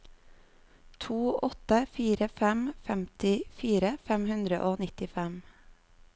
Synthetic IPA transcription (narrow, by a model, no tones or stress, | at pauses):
t̪ʰuːɔt̪əfiːɾəfɛmfɛmt̪ɪfiːɾəfɛmhʉnd̪ɾəʔoːnɪt̪ɪfɛm